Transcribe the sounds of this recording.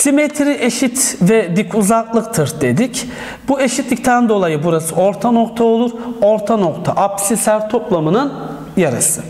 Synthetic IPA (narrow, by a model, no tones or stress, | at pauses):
sime̞t̪ʰɾiʔe̞ʃit̪vɛd̪ikʰuzaklˠɯkt̪ʰɯɾd̪e̞d̪ic | bue̞ʃit̪lʲic̚t̪ʰænd̪o̞lˠajɯbuɾasɯo̞ɾt̪ʰano̞kt̪ʰao̞lˠuɾo̞ɾt̪ʰano̞kt̪ʰa̰ʔapsisæɾt̪ʰo̞plˠamɯnɯn | jaɾɯ̰sɯ